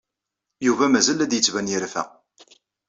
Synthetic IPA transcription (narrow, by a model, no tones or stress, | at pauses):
juvæmæzælæd̪jət͡sːvænjəɾfæ̰